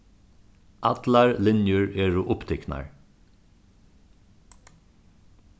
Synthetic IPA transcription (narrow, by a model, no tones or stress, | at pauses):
ɑd̪lɑɹlɪnjəɹeːɹʊʔʊpt̪ʰɛknɑ̰ɹ